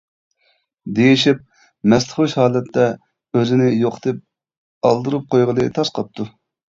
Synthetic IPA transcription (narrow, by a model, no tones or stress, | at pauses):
d̪ejiʃip̚ | mɛslˠəχuʃhɑːlˠɛt̪ːɛ | øzɪnɪjoqʰt̪ɨp̚ | ɑ̰lˠd̪ɨɾup̚qʰojʁəlˠɨt̪ʰɑsqɑp̚t̪ʰu